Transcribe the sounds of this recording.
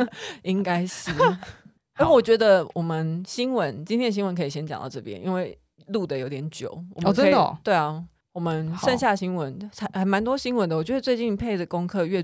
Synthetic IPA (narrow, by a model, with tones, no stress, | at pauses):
i˦ŋka˥ɪʂɻ̩˥˩ | a˥˩wɔ˨˩t͡ɕɥɛ˧˥d̪ə˨wʔɔ˨˩mə˨˦nɕi˥nwə˧˦nt͡ɕi˥t̪ʰjɛ˥n˩ɕ̬i˥nwə˧˦nkʰɤ˧˥i˨˩ɕjɛ˥nt͡ɕɑ̰˨ŋt̪ɑ̰˥˧ʊʈ͡ʂɤ˥˩pjɛ̰˦nʔḭ˦nwe˥˩ɪ | lu˥˩d̪ə˩jo˧˥ʊt̪jɛ˧˥nt͡ɕjo̰˨˩˦ʊwɔ˨˩m˨˧ə˦˧˥d̪ə̰˨t̪we˥˩ɪɐ˨˩ | wɔ˨˩mə˨˦nʂə˥˧nɕja˥˩ɕi˥nwə˧˦nt͡sʰa˧˥xə˧˦nma˧˥nt̪̬wɔ˥ɕi˥ŋwə˧˦nd̪ə˧wɔ˨˩t͡ɕɥɛ˧˥ʂt͡swe˥˧ɪt͡ɕi˥˩npʰe˥˩ɪdə˨˩kʊ˥ŋkʰɤ˥˧ɥɛ˥˧